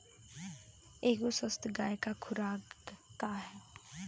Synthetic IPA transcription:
eːkosəst̪ɡaːjekakʰʊɾaːɡt̪aɦɛː

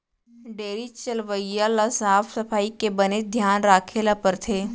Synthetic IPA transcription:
ɖeːɾit͡ʃəlʋəijalasaːfʰsɐfaːikebəned̪ʱjaːnɾaːkʰeːlapəɾt̪ʰeː

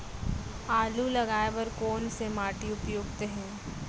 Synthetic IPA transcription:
aːlulɐɡaːeʋɐɾkoːnsemaːʈiʊpjoːɡt̪eɦɛ̃ː

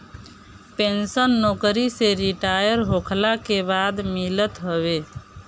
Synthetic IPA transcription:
pensənːokɾiseɾiʈajəɾɦokʰlakebad̪milət̪ɦəbe

